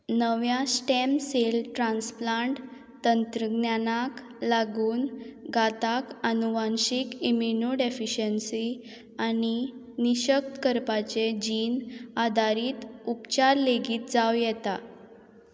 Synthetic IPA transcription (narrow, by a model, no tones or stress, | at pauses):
nəʋjasʈɛmselʈɾãnsplaɳʈ | t̪ənt̪ɾəɡnjanak | laɡuːnɡat̪akənuʋanɕikimjinuɖefiɕənsi | ani | niɕək̚t̪kəɾpat͡ɕed͡ʑiːnad̪ʱaɾiːt̪upt͡ɕaɾleɡiːt̪̚d͡zawjɛt̪a